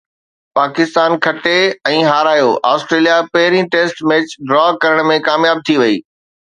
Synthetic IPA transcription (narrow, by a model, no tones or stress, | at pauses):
paːkɪst̪aːnkʰɐʈeɛ̃ːɦaːɾaːjoʔaːsʈɾeːlijapɐɦɪɾĩʈeːsʈmeːt͡ɕɖɾɔːkɐɾəɽ̃mẽkaːmjaːb̚t̪ʰiʋɐiː